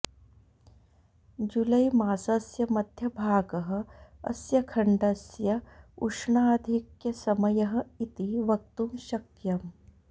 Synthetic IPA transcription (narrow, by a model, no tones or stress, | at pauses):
d͡ʒulɐjmaːsɐsjɐmɐd̪ʱjɐbʱaːɡɐɦɐ̆ɐ̰sjɐkʰɐɳɖɐsjɐuʂɳaːd̪ʱikjɐsɐmɐjɐɦɐ̆it̪iʋɐk̚t̪umʃɐkjɐm